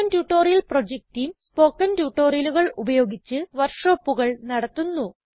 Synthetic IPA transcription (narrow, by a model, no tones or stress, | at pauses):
ɐntjuːʈːo̞ːɾijɐlprod͡ʑek̚ʈijmspo̞ːkːɐntjuːʈːo̞ːrijɐluɣɐɭubɐjo̞ːɡit͡ɕːɨʋɐrʂoːpːuɣɐɭnɐɽɐt̪ːunːu